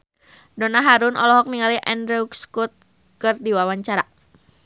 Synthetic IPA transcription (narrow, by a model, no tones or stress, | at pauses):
donaɦaɾʊnʔɔ̰lɔɦɔk̚niŋaliʔɛndɾɛukskut̪̚ | kɨrdiwawaɲt͡ʃaɾa